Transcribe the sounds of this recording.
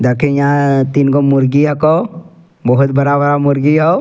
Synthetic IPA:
d̪akʰẽjãt̪inkomʊɾɡijako | bɔɦʊt̪bəɾabəɾamʊɾɡijo

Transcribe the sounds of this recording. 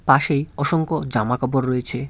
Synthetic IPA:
paʃejɔʃoŋkod͡ʑamakɔboɾːojet͡ɕʰe

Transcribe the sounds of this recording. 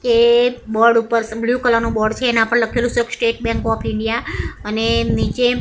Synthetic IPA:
kebɔɽupəɾbljukəlanũbɔɖt͡ʃʰeːnãpəɳləkʰelũsəəksʈeʈ̚bɛ̃ŋkɔpʰɪɳɖijaənenit͡ʃe

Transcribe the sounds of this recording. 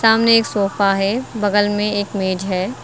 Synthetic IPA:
saːmneeːksoːfaɦɛbɐɡəlmẽeːkmeːd͡ʒɦɛː

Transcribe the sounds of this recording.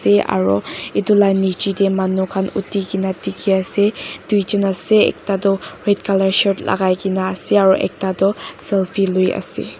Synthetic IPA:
sea̰ɹɔidulajnit͡ʃidemanukʰanutiɡinatikiased̥ujt͡ʃənaseḛk̚tadɔɹed̚kaləɹʃɔt̚la̰ɡajɡinaːseaɹuʔḛk̚tadɔsɛlpʰiluja̰sḛ

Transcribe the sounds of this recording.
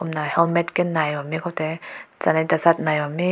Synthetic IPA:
omnahɛlmɛt̪̚kɛnːajwamikʰɔt̪ɛt͡sanat̪asat̪̚najwami

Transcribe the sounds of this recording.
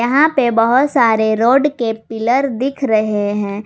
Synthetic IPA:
ɐɦãpebɐɦʊt̪saːɾeɾoːɖkepɪləɾd̪ɪkʰɾɐɦeɦɛ̃ː

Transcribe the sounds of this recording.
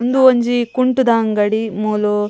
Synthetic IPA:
nd̪uoɲd͡ʒikuɳʈud̪aːŋɡɐɽimuːlu

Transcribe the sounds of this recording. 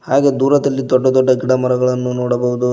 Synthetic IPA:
haːɡe̞ːd̪uːɾɐd̪ɐlːid̪ɔɖːɐd̪ɔɖːɐɡiɽɐmɐɾɐɡɐɭɐnːunoːɽɐbɐɦud̪u

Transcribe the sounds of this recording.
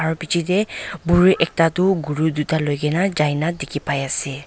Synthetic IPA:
aɹupit͡ʃʰitɛbuɹuʔɛk̚tatʊɡuɹudutalojɡɛnazajnadekʰipajasɛ

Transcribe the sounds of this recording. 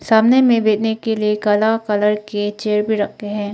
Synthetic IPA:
saːmnemẽbeːd̪nekeliekɐlakɐləɾket͡ʃeːɾbʱiɾɐk̚t̪eɦɛ̃ː

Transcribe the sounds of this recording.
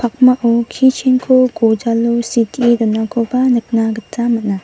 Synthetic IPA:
pʰak̚maʔɔkʰit͡ʃʰenkʰuɡod͡ʒalusitʰiedɔnakʰobanɯk̚naɡɯtːamɯt̚na

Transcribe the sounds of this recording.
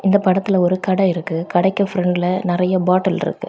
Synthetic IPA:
ɪnd̪ɐpɐɽɐt̪ːɪlɐɔɾɯkɐɽɐɪɾɯkːɯkɐɽɐɪkːɐfɪɾɛɳɖɪlɐnɪɾɐjɐbaːʈːɐlɪ̰ɾɯ̰kːɯ̰

